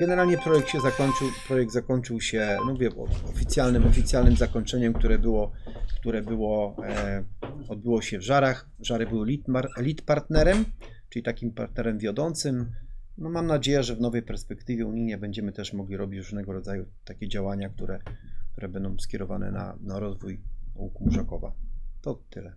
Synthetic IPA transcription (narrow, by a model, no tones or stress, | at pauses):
ɡ̥ɛnɛɾalɲɛpɾɔjɛk̚t̪ɕɛzakɔɲt͡ʂɘwpɾɔjɛɡ̚d̪zakɔɲt͡ʂɘwɕɛnɔvʲjɛ̰ɔfʲit̪sʲjalnɘmɔfʲit̪sʲjalnɘmzakɔɲt͡ʂɛɲɛmk̚t̪uɾɛbɘwɔkt̪uɾɛbɘwɔ | ɔd̪̚bɘwɔɕɛvʐaɾax | ʐaɾɘbɘwɘiaɾlʲit̪paɾt̪nɛɾɛm | ʈ͡ʂɘlʲit̪akʲimpaɾt̪nɛɾɛmvʲjɔd̪ɔnt̪sɘmnɔmamnad͡ʑejɛʐɛvnɔvɛjpɛɾspɛkt̪ɘvʲjɛuɲijɲɛbɛɲd͡ʑɛmɘt̪ɛʂmɔɡlʲiɾɔbʲit͡ɕɾuʐnɛɡɔɾɔd̪zajut̪akʲɛd͡ʑawaɲak̚t̪uɾɛk̚t̪uɾɛbɛnd̪ɔ̃w̃skʲɛɾɔva̰nɛ̰na̰naɾɔzvujukumuʐakɔva̰t̪ɔt̪ɘlɛ